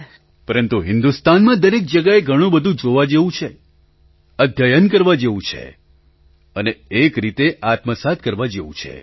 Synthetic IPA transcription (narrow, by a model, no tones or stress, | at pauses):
pəɾənt̪uɦɪnd̪ust̪anmãd̪əɾek̚d͡ʒəɡaeɡʱəɽ̃ũbəd̪ʱũd͡ʒoʋad͡ʒeʋũt͡ʃʰe | əd̪ʱjajənkəɾʋad͡ʒeʋũt͡ʃʰḛ | əneekɾit̪eʔat̪məsat̪̚kəɾʋad͡ʒeʋṵ̃t͡ʃʰḛ